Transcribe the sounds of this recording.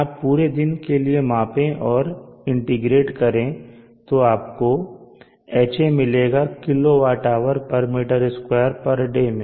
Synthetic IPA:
aːpːuːɾed̪ɪnkeliemãːpẽʔɔːɾɪ̃ɳʈɪɡɾeːʈkɐɾẽ | t̪oaːpko | ɛːt͡ʃemɪleːɡakɪloʋaːɾʈaːʋəɾpɐɾmeːʈəɾɪskwaːəɾpɐɾɖemẽ

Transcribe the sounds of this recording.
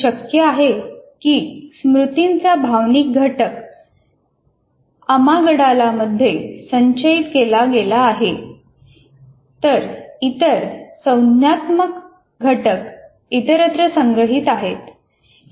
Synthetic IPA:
ɕəkjəaɦekiːsmɾut̪int͡sabʱaʋnik̚ɡʱəʈək | əmaɡəɽalaməd̪ʱːjesəɲɕəit̪kelaɡelaːɦe | t̪əɾit̪əɾsə̃wnjat̪mək | ɡʱəʈək | it̪əɾət̪ɾəsəŋɡɾəɦit̪aɦet̪

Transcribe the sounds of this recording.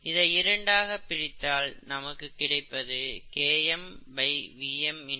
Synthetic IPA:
ɪðɐɪɪɾɐɳɖaːɣɐpːɪrɪt̪ːaːlnɐmɐkːɯkːɪɽɐɪpːɐðɯkeːjɛmbɐɪʋiːɛmɪn

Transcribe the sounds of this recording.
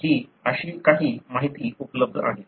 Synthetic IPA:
ɦiːəɕiːkaɦiːmaɦit̪iːupləb̚d̪ʱa̰ɦe

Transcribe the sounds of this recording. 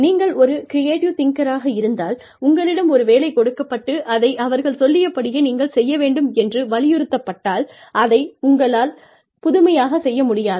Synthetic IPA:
niːŋɡɐɭɔɾɯkɪɾɪeːʈjut̪ɪŋkɐɾaːɣɐɪɾɯnd̪aːl | ʊŋɡɐɭɪɽɐmɔɾɯʋeːlɐɪkɔɽɯkːɐpːɐʈːɯʔɐðɐɪʔɐʋɐɾɣɐɭsɔlːɪjɐpːɐɽɪjeːniːŋɡɐɭsɛjːɐʋeːɳɖɯmɛndrɯʋɐlɪjɯɾɯt̪ːɐpːɐʈːaːl | ʔɐðɐɪʊŋɡɐɭaːl | pʊðʊmɐjaːɣɐsɛjːɐmʊɽɪjaːð

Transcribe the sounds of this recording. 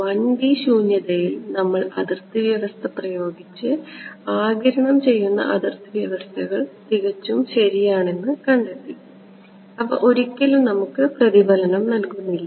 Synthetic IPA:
ʋɐnbiɕuːɲjɐðɐjilnɐmːɐɭɐ̰ðirt̪ɨʋjɐʋɐst̪ʰɐprɐjo̞ːɡit͡ɕːɨaːɡɐɾɐɳɐmt͡ɕe̞jːunːɐ̰ʔɐd̪irt̪ɨʋjɐʋɐst̪ʰɐɣɐɭt̪iɣɐt͡ɕːumɕɐɾijaːɳe̞nːɨkɐɳɖɐʈ̪ːi | ɐʋɐ̰ʔo̞ɾikʲːɐlumnɐmukːɨprɐðibʱɐlɐnɐmnɐlkunːilːɐ

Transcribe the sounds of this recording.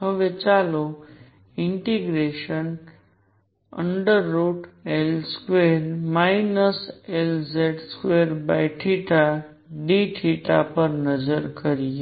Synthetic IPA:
ɦəʋet͡ɕalo | iɳʈiɡɾeʃən | ə̰ɳɖəɾːoːʈelskʋeɾmajinəselzeʈskʋeɾbajʈʰiʈa | ɖiʈʰiʈa̰pəɾnəd͡ʒəɾkəɾie

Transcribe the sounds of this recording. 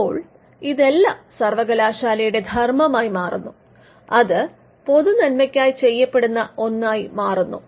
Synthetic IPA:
oːɭ | iðe̞lːɐsɐrʋɐɣɐlaːɕaːlɐjuɽe̞d̪ʱɐrmɐmaːjmaːrunːu | ɐðɨ | po̞ðunɐnmɐkʲːaːjit͡ɕe̞jːɐpːe̞ɽunːɐo̞nːaːjmaːrunːṵ

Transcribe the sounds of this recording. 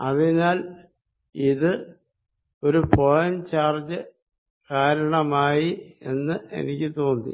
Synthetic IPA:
ɐðinaːl | iðɨ | o̞ɾupoɻjɐmt͡ɕaːrd͡ʑɨ | kaːɾɐɳɐmaːjie̞̰nːɨʔe̞̰nikʲːɨt̪o̞ːnd̪ḭ

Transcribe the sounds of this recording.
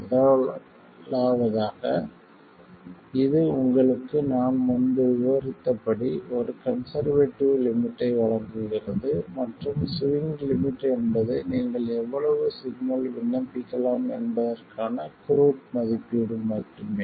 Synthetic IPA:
ʊðɐ | laːʋɐðaːɣɐ | ɪðɯʊŋɡɐɭɯkːɯnaːnmʊndɯʋɪʋɐɾɪt̪ːɐpːɐɽiɔɾɯkɐnsɐɾʋeːʈːɪʋlɪmɪʈːɐɪʋɐɭɐŋɡɯɣɪrɐðɯmɐʈrɯmsʊʋɪŋɡlɪmɪʈːɛnbɐðɯniːŋɡɐɭɛʋːɐɭɐʋɯsɪɡnɐlʋɪnːɐpːɪkːɐlaːmɛ̰nbɐðɐrkʰaːnɐkʊɾuːʈ̚mɐðɪpːiɽɯːɐʈrɯmeː

